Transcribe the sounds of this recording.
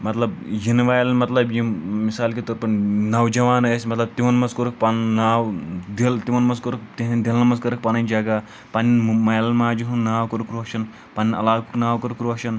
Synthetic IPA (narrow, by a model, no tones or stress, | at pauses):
mɐt̪lɐbjinʋaːjlnmɐt̪lɐbjimisaːlkit̪oɾpɐnnɐwd͡ʒɐʋaːnɐsʲmɐt̪lɐb̚t̪iʋɐnmɐskoɾuk̚pannaːwd̪ilt̪iʋɐnmɐskoɾukt̪iɦnind̪ilnɐmɐskɐɾɐk̚paːnɐnʲd͡ʒaɡa | pɐninmɐjlmaːd͡ʒuɦunnaːwkɐɾukɾoːʃɐn | paninʲɐ̰laːkuknaːwkɐɾukɾoːʃɐn